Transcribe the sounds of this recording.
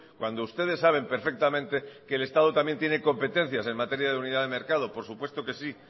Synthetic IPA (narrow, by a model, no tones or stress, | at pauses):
kwand̪oust̪e̞ð̞e̞sːaβ̞e̞mpe̞ɾfe̞k̚t̪amẽnt̪ekeːle̞st̪að̞ot̪amje̞nt̪jene̞ko̞mpe̞t̪ẽ̞n̟θjase̞nmat̪eɾjaðeuniðaðe̞meɾkað̞o̞po̞ɾsupwe̞st̪oke̞si